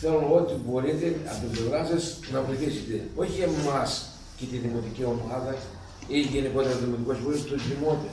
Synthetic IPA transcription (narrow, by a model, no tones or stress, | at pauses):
θeɾonot̪ibo̞ɾit̪e̞ɐ̰nd̪oblevɾɐsesnɐvoiθiset̪eo̞çie̞mɐs | cet̪iðimo̞t̪icio̞mɐðɐ | iʝeniko̞t̪eɾoðimot̪iko̞sboɾist̪oðimot̪e